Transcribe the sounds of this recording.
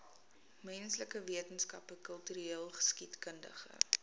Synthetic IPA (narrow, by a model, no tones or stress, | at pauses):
mɛnsləkəviətənskɐpəkəlˠtyɾiiəlˠχə̥skitkəndə̰χə̰